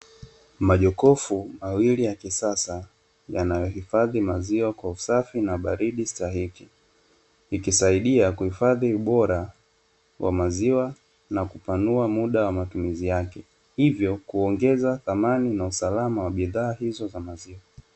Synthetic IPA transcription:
maʄɔkɔfumawilijakisasa | janajɔhifaðimaziwakwausafinaɓaɾiɗistaɦiki | ikisaiɗiakuhifaðiuɓɔɾa | wʔa̰maziwa | nakupanuamuɗawamatumizijakɛ | hivjɔkuɔŋɡɛzaθamaninausalamawaɓiðaːhizɔzamaziwa

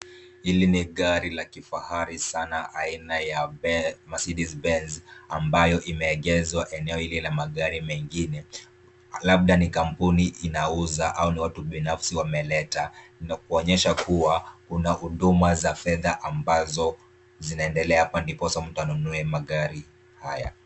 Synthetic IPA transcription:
hiliniɠaɾilakifahaɾisanaʔainajaɛmasiɗizbɛnzambajɔʔimɛːɠɛzwaʔɛnɛɔhilɛlamaɠaɾimɛŋɡinɛ | laɓ̚ɗanikam̩puniʔinauzaʔauniwatuɓinafsiwamɛlɛtanak̚uɔɲɛʃakuwakunahuɗumazafɛðaʔambazɔ | zinaɛndɛlɛahapandipɔsam̩tanunuɛmaɠaɾi | haja̰

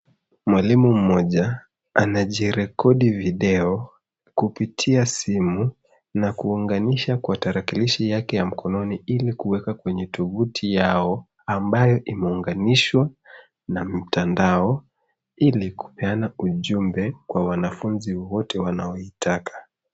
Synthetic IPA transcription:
mwalimum̩mːɔʄa | anaʄiɾɛkɔɗiviɗɛɔ | kupitʰiasimu | nakuːŋɡaniʃakwataɾakiliʃijakɛjam̩kʰɔnɔniilikuwɛkakwɛɲɛt̪ɔɓutʰijaɔ | ambajɔʔimɛuŋɡaniʃwa | nam̩tandaɔ | iliku̥pɛanauʄumbɛkwawanafunziwɔtɛwanaɔitʰakʰḁ

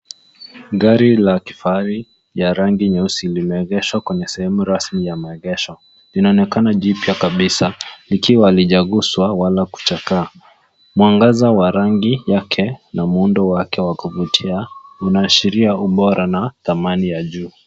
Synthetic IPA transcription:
ɡaɾilaki̥faɾi | jaɾaŋɡiɲɛusilimɛɛɣɛʃwakwɛɲɛsɛhɛmuɾasmijamaɛɣɛʃɔ | linaɔnɛkanaʄipjakaɓisalikiwaliʄaɣuswawalaku̥t͡ʃakaː | muaŋɡazawaɾaŋɡijakʰɛnamuundɔwakɛwakuvutʰiaunaːʃiɾiauɓɔɾanaθamanijaʄuː

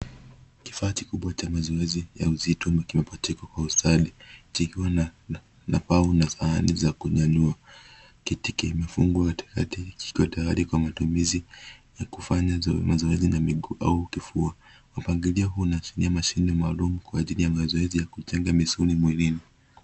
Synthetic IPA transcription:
ki̥faːkikuɓwat͡ʃamazɔɛzija̰uzitɔmakimɛpɔtɛkwakwausaɗit͡ʃikiwa | napaunasaa̰nizakuʄaɲua | kitikimɛfuŋɡuati̥katiki̥kiwatajaɾikwamatumizijakufaɲamazɔɛzinamiɠuʔaukifua | wapaŋɡiliaɦunaʃiniamaʃinimaːlumukwaːʄilijamazɔɛzijakut͡ʃɛŋɡamisulimwilini

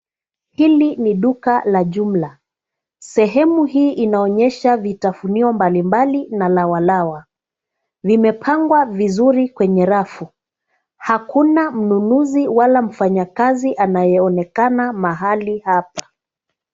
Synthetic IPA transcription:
hiliniɗukalaʄum̩la | sɛɦɛmuhiːʔinaɔɲɛʃavitafuniɔmbalimbalinalawalawa | vimɛpʰaŋɡwavizuɾikwɛɲɛɾafu | hakunam̩nunuziwalam̩faɲakaziʔanajɛɔnɛkanamaɦalihap̚ḁ

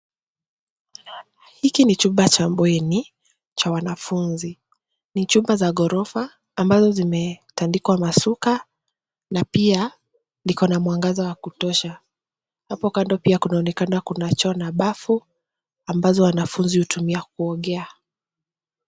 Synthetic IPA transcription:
hikinit͡ʃumbat͡ʃambwɛni | t͡ʃawanafunzi | nit͡ʃumbazaɠɔɾɔfaː | mbazɔzimɛtandikwamasuka | napia | likɔnamwaŋɡazawakutɔʃa | hapɔkandɔpiakunaɔnɛkanakunat͡ʃɔnaɓafu | ambazɔwanafunzihutumiak̚uɔɠɛa

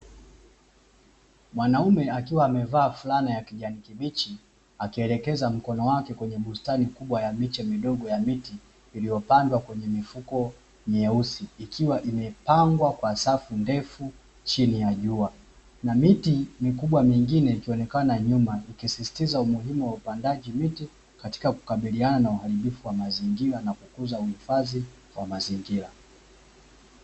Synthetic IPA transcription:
mwanaumɛakiwaːmɛvaːfulanijakiʄanikiɓit͡ʃi | akiɛlɛkɛzam̩kɔnɔwakɛkwɛɲɛɓustanikuɓwajamit͡ʃɛmiɗɔɠɔjamitiː | lijɔpandwakwɛɲɛmifukɔ | mɛusiːkʰiwaʔimɛpaŋɡwakwasafundɛfu | t͡ʃinijaʄua | namitimikuɓwamiŋɡinɛikiɔnɛkanaɲumaikisisi̥tizaumuɦimuwaupandaʄimiti | kati̥kaku̥kaɓiliananauhaɾiɓifuwamaziŋɡiɾanakukuzauhifazi | wamaziŋɡiɾa

